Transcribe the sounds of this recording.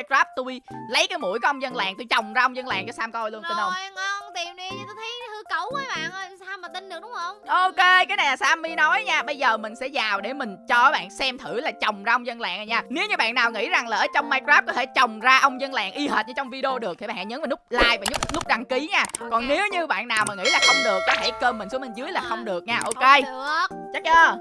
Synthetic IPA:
jkzaː˦˥p̚t̪u˧jlə˨˦jkaː˨˦jmṵ˧˥əjkɔ˨˧˦ʔə˧wŋ͡mzə˧nla̰ː˧˨ŋt̪u˧jt͡ɕə˨˩wŋ͡mzaː˧ʔə˧wŋ͡mzə˧nla̰ː˧˨ŋt͡ɕɔ˧˦saː˧mkɔ˧jlu˧əni˧nʔə˧ŋ͡mŋə˧ŋ͡mt̪i˨˩mɗi˧˩t̪o˧jt̪ʰə˨˦jhɨ˧˦kə˧˩wvəː˨˦jɓa̰ː˧˨n˧saː˧maː˨˩t̪ï˧n̟ɗɨ˨˩ək̚ɗʊ˨˦ŋ͡mhə˧wŋ͡mʔo˧ke˧kaː˨˦jna˨˩jlaː˨˩saː˧mːi˧nɔ˨˦jɲaː˧ɓə˧jzəː˨˩mï˨˩ŋ̟sɛ̰˧˥zaː˨˩wɗe˧˩mï˨˩ŋ̟t͡ɕɔ˧ʔəː˨˦jɓa̰ː˧˨nsɛ˧mt̪ʰɨ˧˩laː˨˩t͡ɕə˨˩wŋ͡mzaː˧ʔə˧wŋ͡mzə˧nla̰ː˧˨ŋa˨˩ɲaː˧˩ne˨˦wɲɨ˧ɓa̰ː˧˨nːaː˨˩wŋḭ˧˥za˨˩ŋlaː˨˩ʔəː˧˦t͡ɕɔ˧wŋ͡mmaː˧kzaː˦˥p̚kɔ˨˦t̪ʰe˧˩t͡ɕə˨˩wŋ͡mzaː˧ʔə˧wŋ͡mzə˧nla̰ː˧˨ŋʔi˧həː˨˩t̚ɲə̰˧˦t͡ɕɔ˧wŋ͡mvi˧ɗe˧o˧ɗɨ˨˩ək̪̚ʰi˨˩ɓa̰ː˧˨ɲəː˨˦nvaː˨˩lk͡p̚laː˧jvaː˨˩ɲʊ˦˥k͡p̚lʊ˦˥k͡p̚ɗa˧ŋki˨˦ɲaː˧kɔ˨˩nne˨˦wɲɨ˧ɓa̰ː˧˨nːaː˨˩wmaː˨˩ŋḭ˧˥laː˨˩xə˧wŋ͡mɗɨ˨˩ək̚ːɔ˨˦t̪ʰe˧˩kəː˧mːï˨˩ŋ̟su˨˦mə˧˨˩nzɨ˨˦əjlaː˨˩xə˧wŋ͡mɗɨ˨˩ək̚ɲaː˧ʔo˧ke˧˨˩ət͡ɕa˦˥k̚ʔəː˧˩

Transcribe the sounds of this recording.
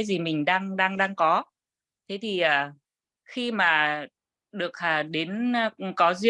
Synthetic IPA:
jzi˨˩mï˨˩ŋ̟ɗaː˧ŋɗaː˧ŋɗaː˧ŋkɔ˨˦ | t̪ʰe˨˦t̪ʰi˨˩ʔəː˨˩ | xi˧maː˨˩ | ɗɨ˨˩ək̚ʔaː˨˩ɗe˨˦nː˧kɔ˨˦zi˧

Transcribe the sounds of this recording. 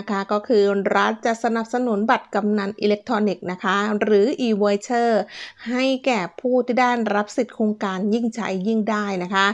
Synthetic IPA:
kʰa˦˥kɔː˥˩kʰɯː˧ɾa˦˥t̪̚t͡ɕa˨˩ʔsa˧na˨˩p̚sa˧nu˩˦nba˨˩t̪̚ka˧mna˧nʔḭː˧le˦˥k̚t̪ʰɾɔː˧ni˨˩k̚na˦˥kʰa˦˥ɾɯː˩˦ʔiː˧woː˧˦t͡ɕʰɤː˥˩ha˥˩jkɛː˨˩pʰuː˥˩t̪ʰiː˥˩daː˥˩nɾa˦˥p̚si˨˩t̪̚kʰoː˧ŋkaː˧nji˥˩ŋt͡ɕʰa̰˦˥jːi˥˩ŋdaː˥˩jna˦˥kʰa˦˥

